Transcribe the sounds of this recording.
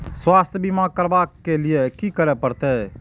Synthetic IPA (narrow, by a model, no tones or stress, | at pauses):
swaːst̪ʰjbimãkəɾbakːelɪekikəɾepəɾt̪e